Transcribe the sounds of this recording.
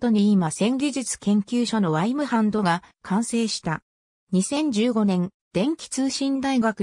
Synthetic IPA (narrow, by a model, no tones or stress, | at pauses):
t̪o̞ɲ̟iimasẽ̞ŋɡʲiʑɨt͡sɨ̥kẽ̞ŋkʲɨːɕo̞no̞βaimɯ̟hãnd̪o̞ɡakʰãɰ̃se̞ːɕi̥t̪a | ɲ̟isẽ̞ɲ̟d͡ʑɨːɡo̞nẽ̞n | d̪̥ẽ̞ŋkʲi̥t͡sɨːɕĩnd̪aiɡakɯ̟